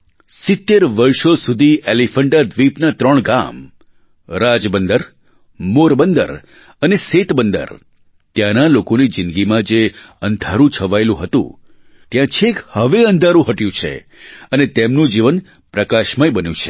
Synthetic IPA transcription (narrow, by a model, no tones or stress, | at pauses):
sɪt̪ːeɾʋəɾʃosud̪ʱielifəɳɖad̪ʋipnat̪ɾəɳɡa̰m | ɾad͡ʒbənd̪əɾ | moɾbənd̪ə̰ɾ | əneset̪bənd̪ə̰ɾ | t̪janalokonid͡ʒɪnɡimãd͡ʒe | ənd̪ʱaɾũt͡ʃʰəʋaelũɦət̪ṵ̃ | t̪jãt͡ʃʰekhəʋeənd̪ʱaɾũɦəʈjũt͡ʃʰḛ | ənet̪emnũd͡ʒiʋən | pɾəkaʃmajbənjṵ̃t͡ʃʰe̥